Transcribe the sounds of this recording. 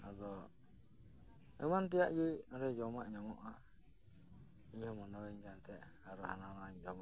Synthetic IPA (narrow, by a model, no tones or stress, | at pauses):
ad̪ɔ | ɛmant̪ɛjaʔɡiɔɾɛd͡ʒɔmaʔɲɔmɔʔa | iɲhɔmɔnɔwɛɲd͡ʒant̪ʰɛʔ | aɾɔhananaɲd͡ʒɔmaʔ